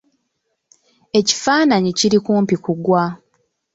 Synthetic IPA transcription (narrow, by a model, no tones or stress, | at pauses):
e̞ci̥faːnaɲiciɾikuːmpikuɡwa